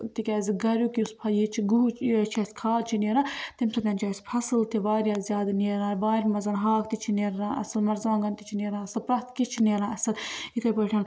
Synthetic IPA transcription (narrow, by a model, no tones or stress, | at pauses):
t̪ikʲaːziɡɐɾʲuːkiuspʰɐjet͡ʃʰiɡuɦt͡ʃːt͡ʃʰɐskʰaːlt͡ʃʰineːɾãːt̪imʲsʰɐt̪ɐnʲt͡ʃaːjsʲpʰɐsɨlt̪iʋaːɾʲjaːzʲjaːd̪neːɾãːʋaːɾʲmɐzɐnɦaːkt̪it͡ʃʰineːɾãːʔɐ̰sɨlmɐɾzaːŋɡɐnt̪it͡ʃʰineːɾãːɐsɨlpɾɐst̪kit͡ʃʰineːɾãːɐsɨlikɐpəːʈʰʲan